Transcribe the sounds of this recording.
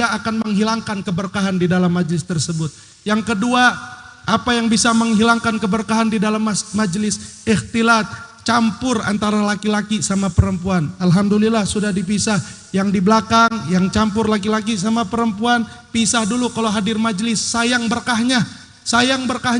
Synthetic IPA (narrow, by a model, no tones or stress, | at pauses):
aːkanməŋɦilaŋkankəbərkaɦandidalamːad͡ʒlɪst̪ərsəbʊt̪̚ | jaŋkədua | ʔapajaŋbisaməŋɦilaŋkankəbərkaɦandidalammad͡ʒlɪsɪht̪ilat̪̚ | t͡ʃampʊra̰nt̪aɾalakilakisamapəɾəmpuanalɦamdulilahsudahdip̬isah | jaŋdibəlakaŋjaŋt͡ʃampʊrlak̬ilak̬is̬amapəɾəmpuan | pisahdulukalowɦadɪrmad͡ʒlɪsːajaŋbərkaɦɲa | sajaŋbərkah